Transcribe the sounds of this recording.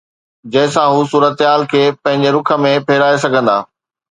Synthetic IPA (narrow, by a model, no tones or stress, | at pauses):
d͡ʑɐɦɪ̃sãɦusuːɾət̪ɦaːlkʰeːpɐ̃ɦɪ̃ɲd͡ʑeɾʊkʰə̆mẽpʰeːɾaːesɐɡʱə̃nd̪a̰ː